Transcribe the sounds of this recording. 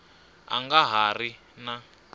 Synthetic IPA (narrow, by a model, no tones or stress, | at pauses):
a̰ŋɡaɦari | na